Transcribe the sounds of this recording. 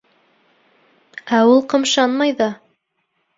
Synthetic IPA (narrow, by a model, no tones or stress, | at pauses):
æulˠqɤ̆mʃɑnmɑjðɑ